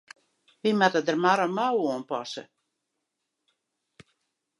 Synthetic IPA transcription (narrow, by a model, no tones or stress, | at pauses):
ʋimatədərmaɾəmawɔːənpɔ̰sə